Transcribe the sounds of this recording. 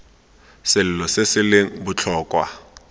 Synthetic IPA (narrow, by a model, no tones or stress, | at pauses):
sɪlʊlɔsesɪlɪŋbʊt͡ɬʰɔːkʼwa̰